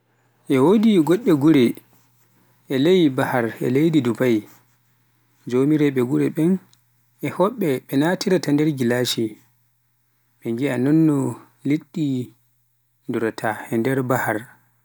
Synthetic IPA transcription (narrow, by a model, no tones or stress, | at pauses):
ʔɛwodiɡɔɗːɛɡuɾɛ | ʔɛlejibahaɾɛ̰lejdidubaj | d͡ʒomiɾɛɓɛɡuɾɛɓɛn | ʔɛhɔɓːɛɓɛnatiɾatandɛɾɡilaʃi | ɓɛŋɡianɔnːɔ | liɗːi | nduɾtʰahɛndɛɾbahaɾ